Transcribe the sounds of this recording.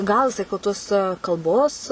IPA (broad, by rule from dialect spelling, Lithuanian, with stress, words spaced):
ˈɡɐlˠ jɪˈsɐɪ kʊ ˈtuɔs kɐlˠˈboːs